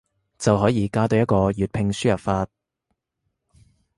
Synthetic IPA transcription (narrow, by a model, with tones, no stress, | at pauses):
t͡sɐ˨wɦɔː˨˥jiː˨˧kaː˥t̪o˧wjɐ˥t̚kɔː˧jyː˨t̚pʰɪ˧ŋsyː˥jɐ˨pfaː˧t̚